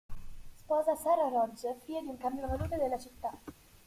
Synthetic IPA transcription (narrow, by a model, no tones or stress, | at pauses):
spɔːzasɛːɾarɔd͡ʒfiːed̪iuŋkambjonavaluːt̪ed̪elːat͡ʃit̪ːa